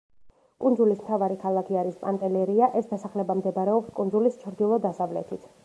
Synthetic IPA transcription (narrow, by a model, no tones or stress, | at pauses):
kʼunzulismt̪ʰavaɾikʰalˠakʰiaɾispʼant̪ʼɛlɛɾiaʔɛsd̪asaχlɛbamd̪ɛbaɾɛɔpskʼundzulist͡ʃʰɾd̪ilˠɔd̪asavlɛ̰t̪ʰit̪ʰ